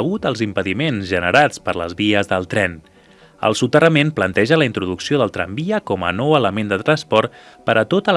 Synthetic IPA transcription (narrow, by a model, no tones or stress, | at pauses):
əɣut̪əlˠzimpəðimenzʒənəɾat͡spəɾlə̰zβiəzðəlˠt̪ɾɛn | ə̰lˠsut̪ərəmenplənt̪ɛʒələint̪ɾuðuksioðəlˠt̪ɾambiəkɔmə̰nɔwələmend̪ət̪ɾənspɔɾt̪pəɾʔət̪ot̪əl